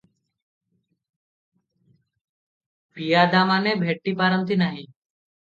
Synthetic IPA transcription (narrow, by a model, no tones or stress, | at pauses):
pijad̪aːmanebʱeʈːipaːɾənt̪inaːɦĩ